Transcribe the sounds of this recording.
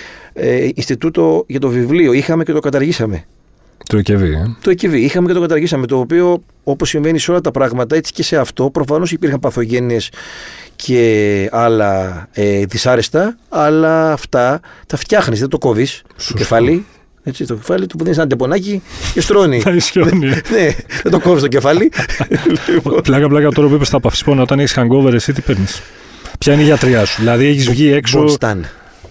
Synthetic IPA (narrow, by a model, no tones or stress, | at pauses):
einst̪it̪ut̪o̞ʝɐt̪o̞vivlio̞ixɐme̞cet̪o̞kɐt̪ɐɾʝisɐme̞ | t̪ocevit̪oeceviixɐmece̞t̪okɐt̪ɐɾʝisɐmet̪o̞ːpio̞ | o̞posːiɱve̞niseo̞lɐt̪ɐpɾɐɣmɐt̪ɐe̞t͡si̥ce̞se̞ɐft̪o̞pɾo̞fɐno̞sipiɾxɐmpɐθo̞ʝe̞nie̞scʰe̞ɐlɐeðisɐɾe̞st̪ɐːlɐːft̪ɐt̪ɐft̪çɐxnizðet̪o̞ko̞vist̪okcefɐli | et͡sit̪oefɐlit̪upuðinisenɐd̪epo̞nɐcicest̪ɾo̞nitɐisçonineðet̪o̞ko̞vist̪oce̞fɐliliɣoplɐkɐplɐkɐt̪o̞ɾɐp̬uipest̪ɐpɐfi̥sponot̪ɐneçi̥sxɐŋɡo̞veɾesit̪ipeɾnis | pçɐineiʝɐt̪ɾiɐsuðilɐðieçizvʝie̞ksost̪ɐn